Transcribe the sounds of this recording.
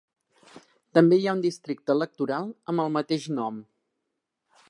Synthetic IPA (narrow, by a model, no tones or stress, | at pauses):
t̪əmbejaund̪ist̪ɾik̚t̪əːlək̚t̪uɾalˠəmbəlˠmət̪eʃnɔm